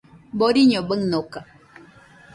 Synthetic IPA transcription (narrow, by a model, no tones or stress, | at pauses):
boɾiɲobəŋnoka